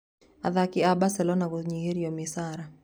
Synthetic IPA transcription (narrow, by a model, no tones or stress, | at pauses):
aðakɪabasɛlɔnaɡʊðɲiheɾiomɪsaɾa